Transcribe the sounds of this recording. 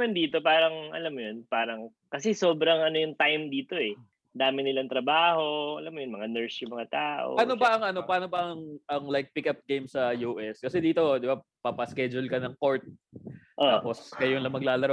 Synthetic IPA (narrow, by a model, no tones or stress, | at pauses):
ɐnd̪iːt̪o̞paːɾɐŋʔɐ̰lamːʊjonpaːɾɐŋ | kɐsɛsoːbɾɐŋʔɐnojʊŋt̪ajmd̪iːt̪o̞ɛ | d̪aːmɪnɪlɐŋt̪ɾɐbaːho̞ɐlamːʊjʊnmɐŋanɛɹsjʊŋmɐŋat̪aːʔʔo̰ɐnobɐʔɐŋʔɐno̞pɐaːnobɐʔɐŋʔɐŋlajk̚pɪkɐp̚ɡejmsɐjuːʔɛskɐsɛd̪iːt̪o̞d̪ɪbapɐpɐskɛd͡ʒʊlkɐnɐŋko̞ɹt̪̚tːaːposkɐjʊnlɐŋmɐɡ̚laːlɐɾɐ